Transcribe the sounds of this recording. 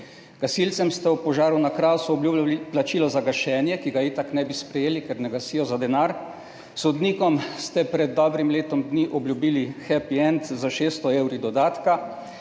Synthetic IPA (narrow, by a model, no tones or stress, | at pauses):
ɡ̥asilt̪sɛmst̪ɛupɔʒaːɾunakɾaːwsuɔbljuplat͡ʃiːlɔzaɡaʃɛːnjɛkiɡaet̪aknɛbispɾɛjeːlikɛɾnɛɡasijɔzad̪ɛnaɾ | sɔd̪niːkɔmst̪ɛpɾɛd̪̚ːɔːbɾimleːt̪ɔmd̪niʔɔbljubiːlixɛpiɛnt̪zaʃeːst̪ɔeːwɾid̪ɔd̪aːt̪ka